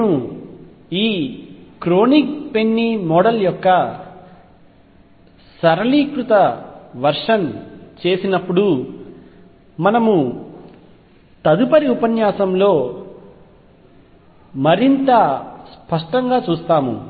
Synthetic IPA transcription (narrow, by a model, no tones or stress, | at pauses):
nu | iːkɾo̞ːnik̚pe̞nːimɔːɽɐljɔkːɐ | sɐɾɐliːkɾut̪ɐʋɐɾʂɐnt͡ʃe̞ːsinɐpːuɽu | mɐnɐmu | t̪ɐd̪upɐɾiupɐnjaːsɐmlo̞ː | mɐɾint̪ɐspɐʂʈɐŋɡaːt͡ʃuːst̪aːmṵ